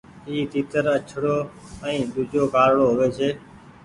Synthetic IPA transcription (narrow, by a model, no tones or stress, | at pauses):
iːt̪iːt̪əɾət͡ʃʰɽoːəĩːd̪ʊd͡ʒoːkaːɾɽoːɦʊʋeːt͡ʃʰeː